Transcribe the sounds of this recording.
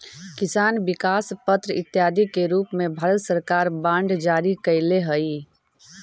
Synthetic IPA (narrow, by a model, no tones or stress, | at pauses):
kisaːnbikaspət̪ɾəit̪jad̪ʱikeɾupmebʱəɾət̪səɾkaɾbãɳɖd͡ʒaɾikəɪleɦəj